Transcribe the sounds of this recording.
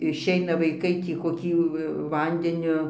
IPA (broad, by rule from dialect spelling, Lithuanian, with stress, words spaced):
ɪʃʲˈɛɪnɐ ʋɐɪˈkɐɪ tʲiː koːˈkʲiː ˈʋɐnʲdʲɛnʲʊ